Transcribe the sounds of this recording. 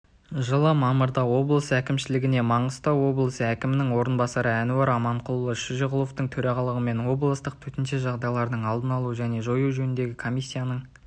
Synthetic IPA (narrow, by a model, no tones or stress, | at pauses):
ʒəlˠəmɑməɾd̪ɑwo̞blˠəsækʲɪmʃɪlɪɡʲɪne̞mɑɴəst̪ɑwo̞blˠəsəækʲɪmɪnɪŋwo̞ɾənbɑsɑɾəænuɑɾɑmɑɴqʰʊlˠlˠəʃiʒeʁʊlˠo̞ft̪əɴt̪ʰɵɾɑʁɑlˠəʁəme̞nwo̞blˠəst̪əq̚t̪ʰɵt̪ɪnʃeʒɑʁd̪ɑjlˠɑɾd̪əɴɑlˠd̪ənɑlˠuəʒæne̞ʒo̞juʒɵnɪnd̪e̞ɡʲɪkʰo̞mʲijsʲːijanəɴ